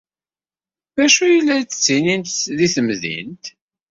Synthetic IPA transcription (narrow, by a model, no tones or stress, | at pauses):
ðæʃujəlːæt͡sə̥t͡sːinint̪ðiθəmðḭnt̪